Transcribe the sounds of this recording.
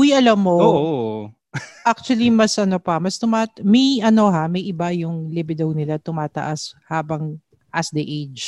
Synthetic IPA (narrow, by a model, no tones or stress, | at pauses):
ʊjʔɐlɐmːoʔ | ʔak̚t͡ʃʊɐlimɐsʔɐnopɐmɐst̪ʊmaːt̪mɛjʔɐno̞ɦamɐjʔɪbajʊŋlɪbɪd̪ɐwnɪlat̪ʊmaːt̪ɐ̰ʔashaːbɐŋ | ʔɐsd̪ɐʔejd͡ʒ